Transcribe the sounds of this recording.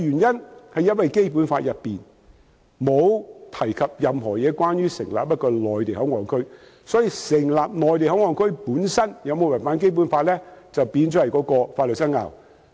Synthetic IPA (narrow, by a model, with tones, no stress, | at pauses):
jyː˨˩njɐ˥nhɐ˨jːɐ˥t̚wɐ˨jke˥jp̬u˨˥nfaː˧t̚jɐ˨pːiː˨˩n | mo˨˧wt̪ʰɐ˨˩jkʰɐ˨p̚jɐ˨mɦɔː˨˩jɛː˨˧kwaː˥njyː˥sɪ˨˩ŋla̰ː˨p̚pɐ˥t̚kɔː˧lɔː˨jt̪e˨jhɐ˨˥wŋɔː˨˩nkʰɵ˥ɥ | sɔː˨˥jiː˧sɪ˨˩ŋlaː˨p̚lɔː˨˩jt̪e˨jɦɐ˨˥wŋɔː˨nkʰɵ˥ɥpuː˨˥nsɐ˥njɐ˨˧wmo˨˧wɐ˨˩jfaː˨˥nke˥jp̬u˨˥nfaː˧t̚lɛː˥t͡sɐ˨wpiː˨˧nt͡ʃɔː˨˥hɐ˨jkɔː˨˥kɔː˧faː˧t̚lɵ˨˩sɐ˥nŋa̰ː˨w